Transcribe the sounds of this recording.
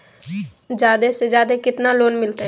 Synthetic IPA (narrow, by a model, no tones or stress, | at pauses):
d͡ʒjaːd̪esed͡ʒjaːd̪ekɪt̪naloːnmɪlt̪e